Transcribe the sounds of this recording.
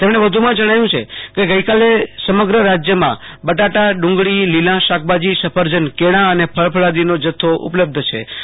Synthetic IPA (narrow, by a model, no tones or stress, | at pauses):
t̪emɽ̃eʋəd̪ʱumãd͡ʒəɽ̃ajũt͡ʃʰḛkeɡəikalesəməɡɾəɾad͡ʒjəmã̰bəʈaʈaɖũŋɡɭililãʃak̚bad͡ʒisəpʰəɾd͡ʒənkeɽ̃ãənepʰəɭpʰəɭad̪inod͡ʒət̪ʰːoʔṵpləb̚d̪ʱt͡ʃʰḛ